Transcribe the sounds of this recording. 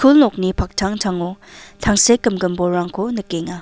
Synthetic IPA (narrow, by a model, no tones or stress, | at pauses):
kʰulnɔk̚nipʰak̚tʰaŋtʰaŋotʰaŋsekːɯmɡɯmbɔɾaŋkʰonɯkeŋa